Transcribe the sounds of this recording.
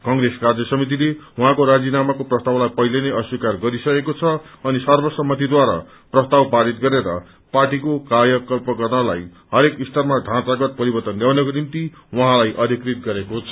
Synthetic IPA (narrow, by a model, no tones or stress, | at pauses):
kʌŋɡɾeskard͡zʌsʌmit̪̬ilewuɦãkoɾad͡zinamakoprʌst̪awlajpʌɦilenʌjʌswikarɡʌɾisʌkekot͡sʰʌʌnisʌrbʌsʌmːʌt̪ʰid̪waɾa̰ | prʌst̪awpaɾit̪̚ɡʌɾeɾʌ̰ | parʈikokajʌkʌlpʌɡʌrnʌlajɦʌɾekist̪ʌrmaɖʱãt̪aɡʌt̪̚pʌɾibʌrt̪ʌnljawnʌkonimt̪i | wʌɦãlajʔʌd̪ʱikrit̪̚ɡʌɾekot͡sʰʌ̥